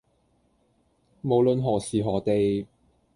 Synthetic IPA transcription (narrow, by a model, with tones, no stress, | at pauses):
mo˨˩wlɵ˨˧nɦɔː˨˩siː˨˩ɦɔː˨˩t̪e˨j